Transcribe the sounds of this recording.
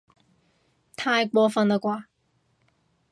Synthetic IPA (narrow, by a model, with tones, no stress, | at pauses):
t̪ʰaː˧jkʷɔː˧fɐ˧nt̪a˨˧˩kʷaː˧